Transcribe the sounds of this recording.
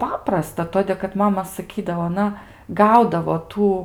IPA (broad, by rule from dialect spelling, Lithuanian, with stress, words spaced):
ˈpɑːprɐstɐ ˈtoːdʲeː kɐt ˈmɑːmɐ sɐˈkʲiːdɐʋoː ɐˈnɐ ˈɡɐʊdɐʋoː ˈtuː